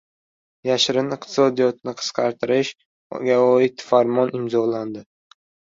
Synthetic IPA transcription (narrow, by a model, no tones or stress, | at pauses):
jaʃɾɪnɪqt̪ʰɪ̥sɒd̪ijɒt̪nɪqʰɨ̥sqʰɑɾt̪ʰɪɾɪʃ | ɡʲaɒɪt̪faɾmɒnɪmzɒland̪ɪ